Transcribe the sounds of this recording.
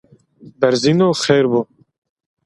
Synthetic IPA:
bɛɾzinoːxeːɾbuː

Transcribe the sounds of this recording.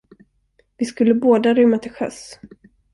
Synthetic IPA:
vɪskɵlːəboːd̪aɾʏmːat̪ʰɪlɧœ̰s

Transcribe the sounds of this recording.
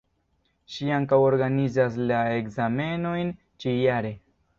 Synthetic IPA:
ʃiaŋkawo̞ɾɡanizaslae̞kzame̞no̞jn | t͡ʃijaɾe̞

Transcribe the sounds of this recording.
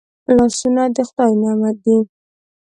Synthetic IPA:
lɑsunad̪əxd̪ɑjnamad̪i

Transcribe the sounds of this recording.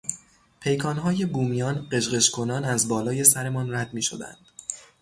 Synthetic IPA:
pʰe̞jkʰɒːnɦɒːje̞buːmijɒːnɢe̞ʃɢe̞ʃkʰo̞nɒːnæzbɒːlɒːje̞sæɾe̞mɒːnræd̪miːʃo̞̰d̪æ̰nd̪̥

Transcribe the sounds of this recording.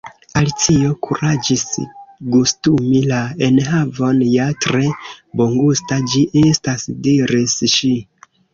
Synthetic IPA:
alit͡sio̞kʰuɾad͡ʒisɡustumilaenɦavo̞njatɾe̞boŋɡustad͡ʒiʔestasdiɾisʃi

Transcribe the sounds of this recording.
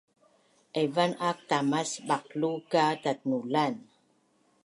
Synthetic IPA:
ʔevanak̚t̪amasbak̚lukadat̪̚nulan

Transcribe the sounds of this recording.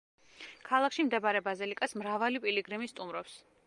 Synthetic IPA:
kʰalˠakʰʃimd̪ɛbaɾɛbazɛlikʼasmɾavalipʼiliɡɾɛmist̪ʼumɾɔps

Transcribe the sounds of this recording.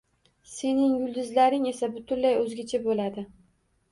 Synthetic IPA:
se̞nɪŋjʊlˠd̪ɪzlaɾɪŋe̞sabʊt̪ʰʊnlajɵzɡʲat͡ʃʰabolad̪ɪ

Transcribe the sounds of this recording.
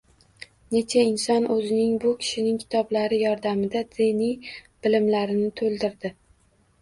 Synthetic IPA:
ne̞t͡ʃʰaɪnsɒnʔɵzɪnɪŋbʊkʲʰɪ̥ʃɪnɪŋkʲʰɪ̥t̪ʰɒblaɾɪjɒɾd̪amɪd̪ad̪enijb̥ɪlɪmlaɾɪnɪt̪ʰolˠd̪ɪɾd̪ɪ

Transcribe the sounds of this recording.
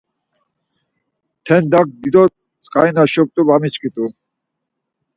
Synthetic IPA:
t̪ʰɛnd̪ak̚d̪id̪ɔ | t͡sʼqʼa̰jnaʃɔp̚t̪ʼubamit͡ʃkʰʼit̪ʼu

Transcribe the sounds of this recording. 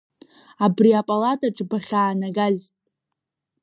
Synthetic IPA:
abriapʼalatʼaʈ͡ʂʼbaχʲaːnaɡaz

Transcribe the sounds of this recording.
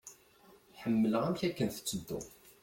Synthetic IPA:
ħəmːələʁæmçækːənθə̥t͡sːəd̪ːṵ

